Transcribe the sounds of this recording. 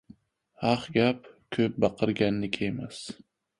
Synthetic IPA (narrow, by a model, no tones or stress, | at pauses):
hɑχɡʲapkʰɵp̚bɑqʰɨɾɡʲanːɪkʲʰejmas